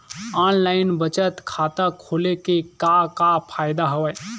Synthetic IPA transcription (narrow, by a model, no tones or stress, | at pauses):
aːnlaːɪnbət͡ʃət̪kʰaːt̪akʰoːlekekakapʰaːɪd̪aɦəʋə